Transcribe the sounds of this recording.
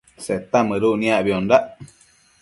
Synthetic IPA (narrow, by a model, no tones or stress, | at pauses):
set̪amɨ̃ɾunĩaβiondaʔ